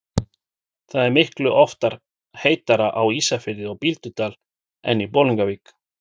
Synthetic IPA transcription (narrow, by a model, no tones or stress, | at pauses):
θaðɛɾmɪhklʏʔɔft̪aɾ̥ | heːjt̪aɾaʔawiːsafɪɾɪɔɣpilt̪ʏt̪aːl | ɛ̰nːipoːwliŋkaviːk